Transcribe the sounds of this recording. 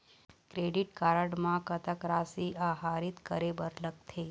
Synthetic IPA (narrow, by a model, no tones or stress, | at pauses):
kɾeɖiʈkaɾəɽmãkət̪əkɾasiʔaɦaːɾit̪kəɾebəɾlək̚t̪ʰe